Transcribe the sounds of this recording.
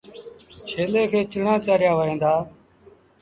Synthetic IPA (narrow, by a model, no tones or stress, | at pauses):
t͡ʃʰeːleːkʰeːt͡ʃəɳãːt͡ʃaːɾɪjaːʋəɦẽːnd̪aː